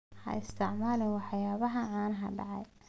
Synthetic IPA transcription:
hɐ̰ʔɪst̪ʰɪʕmaːlɪwɑħjaːβɐɦɐʕaːnɦɐ̰ɖɑ̰ʕɑj

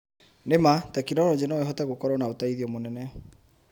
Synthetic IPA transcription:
nematɛkinɔɾɔd͡ʑenɔeɦɔtɛɣokɔɾɔnaotaiðiɔmonɛnɛ

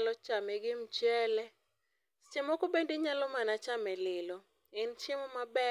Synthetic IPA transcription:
lɔt͡ʃamɛɡɪm̩t͡ʃɛlɛ | t͡ʃɪmɔkobendiɲalɔmanat͡ʃamɛlɪlɔ | ɪnt͡ʃɪmɔmabɛ

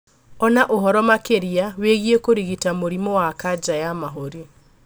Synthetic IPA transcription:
ɔnaʔoɦɔɾɔmakeɾiaweɣiekoɾiɣitamoɾimowakad͡ʒajamaɦoɾi

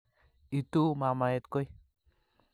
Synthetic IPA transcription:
it̪umamajet̪koj

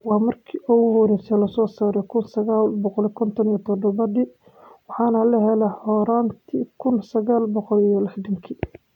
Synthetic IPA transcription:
wɑːmɐrkʰiʔɔɣʊhɔɾɛsɛlɐsɔːsaːɾɛkʰʊnsɐɣaːlbɔqɔlɛkʰɔnt̪ʰɔnijɐt̪ʰɔd̪ɔβɐði | wɑħɑːnɐlɐɦɛlɐhɔːɾaːnt̪ʰikʰʊnsɐɣaːlbɔqɔlijɔlɪħd̪ɐŋkʰiː

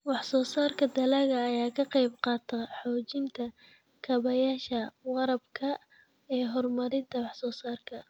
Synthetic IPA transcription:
wɑħsɔːsaːrkʰɐd̪ɐlɐɣɐːjaːkʰɐqɑjbqɑːt̪ʰɐħɔːt͡ʃɪnt̪ʰɐ | kʰɐβɐjaːʃɐwɑɾɐbkʰɐ | ɛːɦɔrmɐɾɪnt̪ʰɐwɑħsɔːsaːrkʰɐ

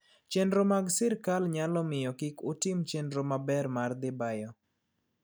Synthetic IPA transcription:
t͡ʃɛndɾomaɡsɪɾkalɲalɔmɪjɔkɪkʊtɪmt͡ʃɛndɾomabɛrmard̪ɪbajɔ

